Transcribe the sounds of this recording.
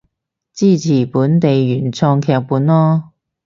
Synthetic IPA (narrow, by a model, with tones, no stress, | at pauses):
t͡siː˥˩t͡sʰiː˨˩puː˨˥nt̪e˨jɥyː˨˩nt͡sʰɔː˧ŋkʰɛː˧k̚puː˨˥nlɔː˥